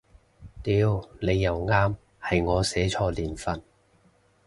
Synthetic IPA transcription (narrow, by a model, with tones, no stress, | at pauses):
t̪iː˨˧wne˨˧jːɐ˨wŋaː˥m | hɐ˨jŋɔː˨˧sɛː˨˥t͡ʃʰɔː˧liː˨˩nfɐ˧n